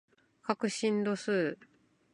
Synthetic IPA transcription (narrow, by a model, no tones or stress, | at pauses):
kakɯ̟ɕĩnd̪o̞sɨː